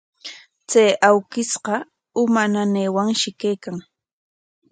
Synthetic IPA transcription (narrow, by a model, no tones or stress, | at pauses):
t͡sajawkɪsqɑ | ʊmananeːwaŋʃɪkejkaŋ